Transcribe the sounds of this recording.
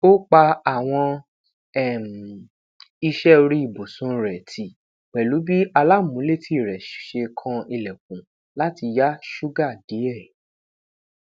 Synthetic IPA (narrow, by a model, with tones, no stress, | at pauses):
o˦k͡pa˧a˨w̃ɔ̃˧ | ɛ˦˨m˨ | i˧ʃɛ˦˧ɾi˦i˦˨bo˨sũ˨˦ɾɛ˨tʰi˨ | k͡pɛ˨lu˨˦bi˦ʔa˧la˦mũ˨˦le˦˨ti˦˨ɾɛ˨ʃe˧kʰã˧i˧lɛ˨k̚ũ˨ | la˦ti˧ja˦ʃu˦ɡa˦˨di˨˦ɛ˦˨